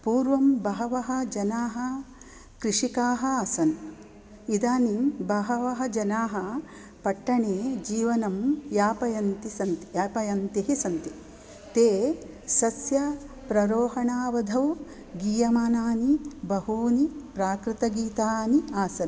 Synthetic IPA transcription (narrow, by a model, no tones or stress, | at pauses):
puːɾʋɐmbɐɦɐʋɐɦɐ̆d͡ʒɐnaːɦɐ | kɾɪʂikaːɦɐasɐn | id̪aːnimbɐɦɐʋɐɦɐd͡ʒɐnaːɦɐ | pɐʈːɐɳeːd͡ʒiːʋɐnɐmjaːpɐjɐnt̪isɐnt̪i̥aːpɐjɐnt̪iɦisɐnt̪i | t̪eː | sɐsjɐ | pɾɐɾoːɦɐɳaːʋɐd̪ʱɐʋ | ɡiːjɐmaːnaːnibɐɦuːnipɾaːkɾɪt̪ɐɡiːt̪aːniaːsɐn